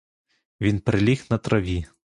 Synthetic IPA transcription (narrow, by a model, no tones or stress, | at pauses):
vʲinpɾɨlʲixnɐt̪ɾɐvʲi